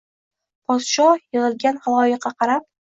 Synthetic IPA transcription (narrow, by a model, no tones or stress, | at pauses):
pʰɒt̪ʃɒjɨʁɨlˠɡʲanhɑlˠɒjɨqːɑqʰɑɾap̚